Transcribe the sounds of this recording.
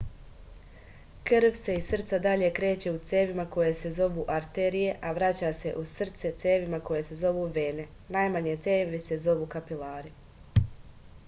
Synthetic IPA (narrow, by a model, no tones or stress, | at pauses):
kr̩ʋse̞isr̩t̪sad̪aʎe̞kɾe̞ːt͡ɕe̞ut̪seːʋimako̞je̞se̞zo̞ʋuːʔaɾt̪eɾije̞ʔaʋɾat͡ɕaːse̞ʔusr̩t̪se̞t̪seːʋimako̞je̞se̞zo̞ʋuːʋeːne̞ | najmaɲe̞t̪seːʋise̞zo̞ʋuːkapilaːɾi